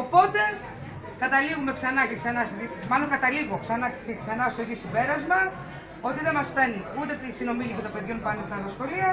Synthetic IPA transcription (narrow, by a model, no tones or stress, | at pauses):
o̞po̞t̪e̞ | kɐt̪ɐliɣume̞ksɐnɐceksɐnɐsot̪imɐlo̞ŋkɐt̪ɐliɣo̞ksɐnɐceksɐnɐst̪oʝiosibe̞ɾɐzmɐ | o̞t̪iðe̞mɐste̞niut̪eisino̞milicet̪ope̞ðʝo̞npɐnest̪ɐnɐsxo̞liɐ